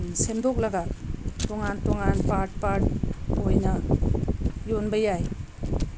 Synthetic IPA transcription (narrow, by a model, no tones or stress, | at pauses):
semdɔk̚laɡatoŋantoŋanpat̚paʈ̚ojna | jonbajaj